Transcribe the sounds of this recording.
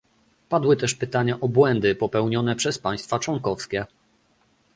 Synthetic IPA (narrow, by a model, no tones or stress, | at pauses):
pad̪wɘt̪ɛʂpɘt̪aɲaʔɔbwɛnd̪ɘpɔpɛwɲɔnɛpʂɛspaj̃st̪fat͡ʂwɔŋkɔfskʲɛ